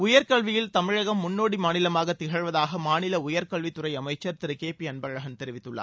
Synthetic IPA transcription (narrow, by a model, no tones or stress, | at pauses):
ʊjɐɾkɐɭʋɪjɪlt̪ɐmɪɻɐɣɐmːʊnːoːɽimaːnɪlɐmaːɣɐt̪ːɪɣɐɻʋɐðaːɣɐmaːnɪlɐʊjɐɾkɐɭʋit̪ːʊɾɐɪɐmɐɪt͡ʃːɐɾt̪ɪɾɯkeːpiɐnbɐɣɐɻɐɣɐnt̪ɛɾɪʋɪt̪ːɯɭːɐ̰ː